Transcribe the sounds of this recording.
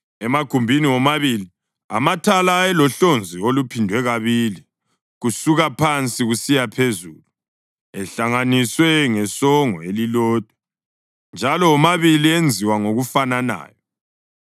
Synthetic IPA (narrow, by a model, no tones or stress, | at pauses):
ɛmaɡ̥ʱumbʱiniwɔmaβili | a̰matʰalaɛlɔɬond͡zʱiolupʰindʱwɛɣaβiːli | ɣusuɣapʰant͡sʼiɣusijapʰezuːlu | ɛɬaŋaniswɛŋɛsɔŋɔ̰elilɔːd̥ʱwɛ | nd͡ʒʱalɔːmaβiliend͡zʱiwaŋoɣufanana̰ːjɔ